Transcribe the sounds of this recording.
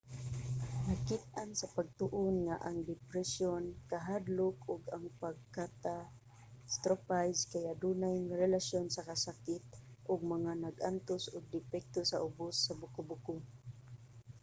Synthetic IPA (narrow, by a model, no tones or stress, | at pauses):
nakɪt̪̚ʔansapaɡ̚t̪ʊʔonŋaʔaŋd̪ɪpɾɛsjonkaɦad̪lʊkʊɡaŋpaɡ̚kat̪a | st̪ɾopajskajaʔd̪unajŋaɾɛlasjonsakasakɪt̪̚ʔʊɡ̚maŋanaɡʔant̪osʊɡ̚d̪ɪfɛk̚t̪osaʔʊbʊsːabʊkʊbʊkʊ